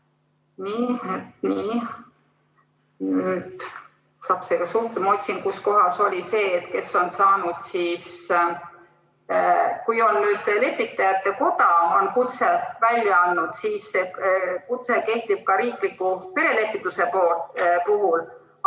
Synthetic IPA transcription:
niːet̪niː | nyːd̪ | sɑːpseɡɑsuht̪emo̞t̪ʲsinkusko̞ɦɑso̞lʲise̞ːt̪ke̞so̞nsɑːnud̪̥siːs | kujo̞nnyːd̪̥le̞pːˑit̪ːˑɑjɑt̪ːeko̞t̪ɑo̞nkut̪sevælʲːjɑɑnːud̪̥siːsekut̪se̞ke̞ht̪ib̥̚kɑɾiːklikːˑupe̞ɾe̞le̞pːˑit̪ːˑuse̞po̞ːlt̪puɦul

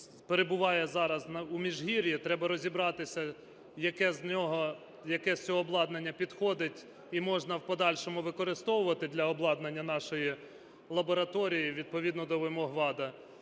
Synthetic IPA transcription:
peɾebʊʋɑjɛzɑɾɐznɐumʲiʒɦiɾʲjit̪ɾɛbɐɾɔzʲibɾɑt̪ɪsʲɐ | jɐkɛznʲɔɦɔ | jɐkɛsʲt͡sʲɔːblˠɑd̪nenʲːɐpʲid̪xɔd̪ɪtʲ | imɔʒnɐwpɔd̪ɑlʲʃɔmʊʋɪkɔɾɪst̪ɔwʊʋɐt̪ɪd̪lʲɐɔblˠɑd̪nɐnʲːɐnɑʃɔji | lˠɐbɔɾɐt̪ɔɾʲijiʋʲid̪̚pɔʋʲid̪nɔd̪ɔʋɪmɔɦʋɑd̪ɐ

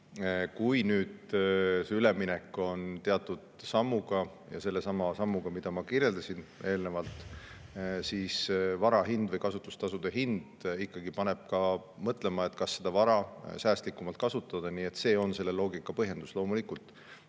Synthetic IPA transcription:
kujnyːd̪seyleminɛkːo̞nt̪eɑt̪ːˑud̪̥sɑmːuɡ̥ɑ | jɑ̰se̞lːe̞sɑmɑsɑmːuɡ̥ɑmid̪̥ɑmɑkirje̞ld̪ɑsine̞ːlnevɑlt̪ˑ | siːsvɑɾɑɦind̪vɤjkɑsut̪ːˑu̥st̪ɑsud̪̥eɦind̪̥ikːɑɡipɑne̞b̥̚kɑmɤt̪ˑle̞mɑe̞t̪ːˑkɑsːe̞d̪̥ɑvɑɾɑsæːst̪likːumɑlt̪̚kɑsut̪ːˑɑd̪̥ɑniːe̞t̪ːse̞ːo̞nse̞lːe̞lo̞ːɡikːˑɑpɤɦje̞nd̪uslo̞ːmulikult̪ˑ

